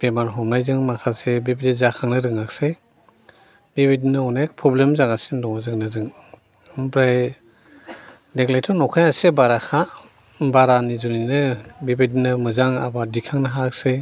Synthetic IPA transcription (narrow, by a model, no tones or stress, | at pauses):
b̥emaɾɦɔmnajzɯŋmakʰasebibidizakʰaŋnɯɾɯŋakse | bibidinɯɔnek̚pʰɾɔblemzaŋasindɔŋazɯŋnɯzɯŋ | bɾaj | deklajtʰɔnɔkʰajasebaɾakʰa | baɾanizuninɯbibidinɯmɯzaŋa̰badikʰaŋnɯɦak̚se